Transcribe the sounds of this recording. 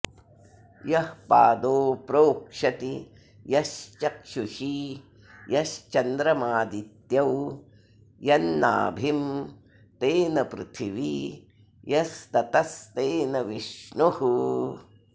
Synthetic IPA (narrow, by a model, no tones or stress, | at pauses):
jɐhpa̰ːd̪oːpɾoːkʂɐt̪i | jɐʃt͡ʃɐkʂuʃi | jɐʃt͡ʃɐnd̪ɾɐmaːd̪it̪jɐw | jɐnːa̰ːbʱim | t̪eːnɐpɾɪ̰t̪ʰiʋi | jɐst̪ɐt̪ɐst̪eːnɐʋiʃɳuhu